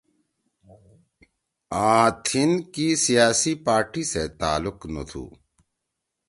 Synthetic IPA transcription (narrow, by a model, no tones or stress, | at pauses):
ãːt̪ʰinkisijaːsipaːɾʈiset̪aːlʊqnɐ̰t̪ʰṵː